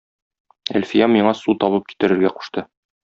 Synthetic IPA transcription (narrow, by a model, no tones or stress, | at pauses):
æ̰lfijɑmiɴɑsut̪ɒβɤp̚ki̥t̪ɘ̆ɾɘ̆ɾɡæqu̥ʃt̪ɤ